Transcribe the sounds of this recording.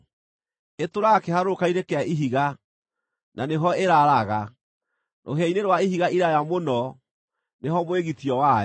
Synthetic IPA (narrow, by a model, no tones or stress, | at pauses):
etoɾakɛhaɾookaiɾekɛaʔiɦiɣa | naneɦɔeɾaɾaɣa | nʔo̰ɦɛineɾwaiɦiɣaiɾajamonɔ | neɦɔmoeɣitiɔwaɛ